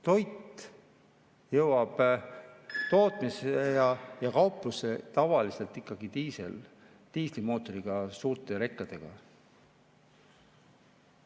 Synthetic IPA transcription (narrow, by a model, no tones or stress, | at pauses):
t̪o̞jt̪ːˑ | jɤwɑb̥ | t̪o̞ːt̪ˑmisejɑjɑkɑwpˑluse̞t̪ɑvɑlise̞lt̪ːˑikːˑɑɡ̥it̪iːsḛl | t̪iːslimo̞ːt̪ˑo̞ɾiɡ̥ɑsuːrt̪ˑe̞ɾe̞kːˑɑd̪̥e̞ɡ̥ɑ̰